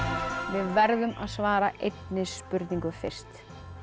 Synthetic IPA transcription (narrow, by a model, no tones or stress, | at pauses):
vɪðvɛɾðʏma̰ðsvaːɾaʔejt̪nɪspʏɾt̪niŋkʏfɪr̥st̪